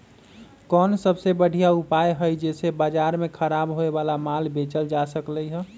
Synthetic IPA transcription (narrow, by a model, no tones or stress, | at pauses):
kɔnsəbsebəɽ̤ʱijaupajɦəjd͡ʒesebad͡ʒaɾmekʰəɾabɦoebalamalbet͡ʃəld͡ʒasəkləjɦɛ̃